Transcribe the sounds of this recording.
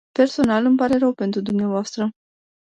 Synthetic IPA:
pe̞rso̞nalɨmpaɾe̞ɾəwpe̞nt̪ɾud̪umneavoast̪ɾə

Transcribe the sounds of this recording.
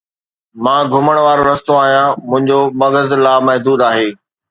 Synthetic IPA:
mãːɡʱʊməɽ̃ʋaːɾoɾɐst̪oaːɦijãmʊ̃ɦɪ̃ɲd͡ʑomɐɡəzlaːmɐɦd̪uːd̪aːɦeː

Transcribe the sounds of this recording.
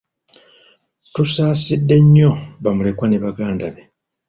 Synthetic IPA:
tusaːsidːe̞ɲːo̞βamule̞kwaneβaɡaːndaβe

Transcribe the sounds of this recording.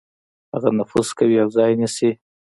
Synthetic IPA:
haɣanʊfuz̥kawiawzɑjnisi

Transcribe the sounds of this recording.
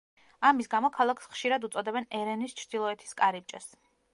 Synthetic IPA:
amisɡamɔkʰalˠakʰsχʃiɾad̪ut̪sʼɔd̪ɛbɛnɛɾɛnist͡ʃʰɾd̪ilˠɔɛt̪ʰi̥skʼaɾip̚t͡ʃʼɛs

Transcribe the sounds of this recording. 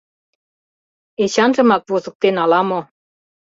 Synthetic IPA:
eɕɑnʒɤ̆mɑk̚vuzɤ̆k̚t̪enɑlɑmo

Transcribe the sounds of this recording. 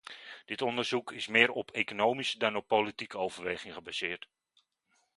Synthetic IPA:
d̥ɪtɔndərz̥ukʰɪsmɪːɾɔpʰekonoːmisədɔnɔpːolitikəowvərʋeːχɪŋχəbasɪːrt

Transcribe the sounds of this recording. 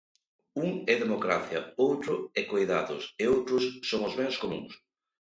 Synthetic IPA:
uŋɛðemokɾaθjɐowt̪ɾʊɛkojðaðʊsɪowt̪ɾʊsːoŋʊzβɛŋskomṵ̃ŋs

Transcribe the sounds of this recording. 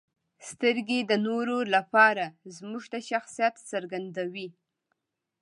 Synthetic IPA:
st̪əɾɡed̪ənoɾolapɑɾazmuʒt̪aʃaxsijat̪səɾɡand̪awi

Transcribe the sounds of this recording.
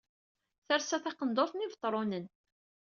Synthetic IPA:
θəɾsæθɑqənd̪oθnivət̪ˤːɾˤonən

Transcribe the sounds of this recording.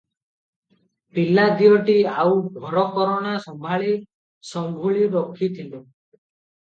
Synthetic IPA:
pilːad̪ijɔʈiawɡʱɔɾɔkɔɾɔɽ̃asɔmbʱaɭi | sɔŋɡʱuɭiɾɔkʰːit̪ʰilu

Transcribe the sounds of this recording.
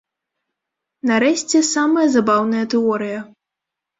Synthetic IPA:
nɐɾɛɕʲt͡sʲɛsamɐjɐzabawnɐjɐt̪ɛɔɾɨjɐ

